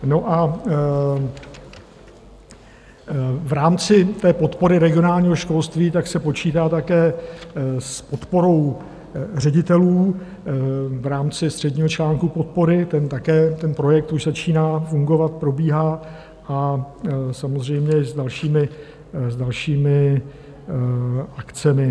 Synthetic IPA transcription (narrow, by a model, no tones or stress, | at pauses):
no̞ʔa | vɾaːmt͡sɪt̪ɛːpo̞t̪po̞ɾɪɾɛɡɪo̞naːlɲiːɦoʃko̞lst̪viːt̪aksɛpo̞t͡ʃiːt̪aːt̪akɛː | spo̞t̪po̞ɾo̞w | r̝ɛɟɪt̪ɛluː | vɾaːmt͡sɪst̪r̥ɛdɲiːɦo̞t͡ʃlaːŋkupo̞t̪̚po̞ɾɪt̪ɛnt̪akɛːt̪ɛnpɾo̞jɛk̚t̪uʒzat͡ʃiːnaːfuŋɡo̞vat̪̚pɾo̞biːɦaː | ʔa | samozr̝ɛjmɲɛzdalʃiːmɪ | zdalʃiːmɪ | ʔakt͡sɛmɪ